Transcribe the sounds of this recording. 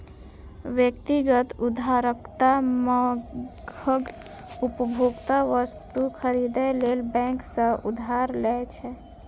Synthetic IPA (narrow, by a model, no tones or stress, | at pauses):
ʋjək̚t̪iɡət̪ud̪ʱaɾəkt̪aməɡəɡ | upəbʱoɡt̪aʋəst̪ukʰəɾid̪ɛlelbɛ̃ksə̃ṵd̪ʱaɾlɛt͡ʃʰɛ